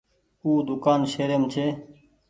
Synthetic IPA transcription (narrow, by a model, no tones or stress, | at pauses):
uːd̪ʊkaːnʃeːɾeːmt͡ʃʰeː